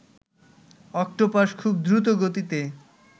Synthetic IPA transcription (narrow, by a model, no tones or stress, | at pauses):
ɔk̚ʈopaʃkʰub̚d̪ɾut̪oɡot̪it̪e